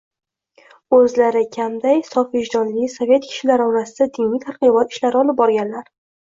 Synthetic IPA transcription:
ɵzlaɾɪkʲʰamd̪ajsɒfvɪʒd̪ɒnlɪsovʲe̞t̪kʲʰɪ̥ʃɪlaɾɒɾasɪd̪ad̪inijt̪ʰaɾqɨbɒt̪ɪ̥ʃlaɾɪɒlɪp̚bɒɾɡʲanlaɾ

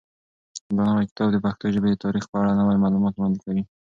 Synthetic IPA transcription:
d̪ɑnəwajkɪ̥t̪ɑbd̪əpaxt̪oʒəbed̪ət̪ɑɾixpəaɽanəwajmɑlumɑt̪wɽɑnd̪ɪkawi

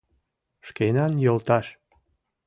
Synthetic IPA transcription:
ʃkenɑnjolt̪ɑʃ

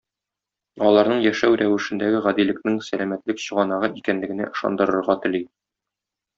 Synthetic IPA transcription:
ɒlˠɑɾnɤɴjæʃæwɾæwɘ̆ʃɘ̆nd̪æɡɘʁæd̪ilɘ̆knɘŋsælæmæt̪lɘkɕɤ̆ʁɑnɑʁɤʔikænlɘ̆ɡɘ̆næ̰ʔɤ̆ʃɑ̰nd̪ɤ̆ɾɤ̆ɾʁɑt̪ɘ̆li

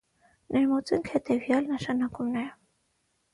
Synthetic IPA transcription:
nʔɛɾmɔt͡sɛŋkʰhɛt̪ɛvjɑlnəʃɑnɑkumnɛɾ

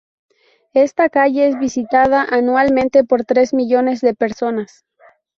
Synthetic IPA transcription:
e̞st̪akaʝe̞ezβisit̪aðaʔanwalmẽnt̪e̞po̞ɾt̪ɾe̞zmiʝo̞ne̞zðe̞pe̞ɾso̞nas

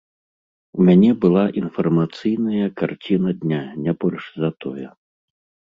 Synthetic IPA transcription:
wmʲanʲɛbɨlˠaʔinfɐrmat̪sɨjnɐjɐkart͡sʲinɐd̪ʲnʲanʲɛbɔlʲʂzɐt̪ɔjɛ

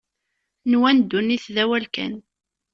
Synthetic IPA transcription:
nwænd̪ːunːiθðæwælkæ̰n

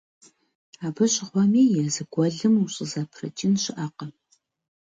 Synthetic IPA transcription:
aːbɐɕʼɪχʷɔmiːjɛrzɨɡʷɔɮɨmuɕʼɨzaːpʰrɐ̰t͡ʃʼɪnɕɪʔaːqɐ

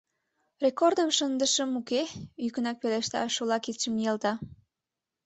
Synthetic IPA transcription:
rʲekord̪əmʃənd̪əʃəmukeykənɑk̚peleʃt̪ɑ̰ʃolɑkit͡ʃəmjelt̪ɑ

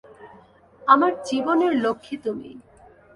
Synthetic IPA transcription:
amaɾd͡ʑiboneɾlokʰːit̪umḭ

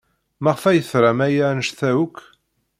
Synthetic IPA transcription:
mæʁfæjəθɾˤamæjanəʃθæwukː

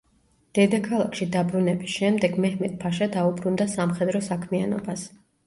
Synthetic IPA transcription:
d̪̥ɛd̪akʰalˠakʰʃid̪abɾunɛbisʃɛmd̪ɛɡmɛhmɛt̪̚pʰaʃad̪aubɾund̪asamχɛd̪ɾɔsakʰmia̰nɔ̰bas

